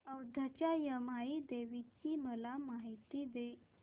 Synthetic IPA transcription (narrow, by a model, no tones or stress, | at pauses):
əwd̪ʱət͡ɕajəmaid̪eʋit͡ɕiməlamaɦit̪id̪e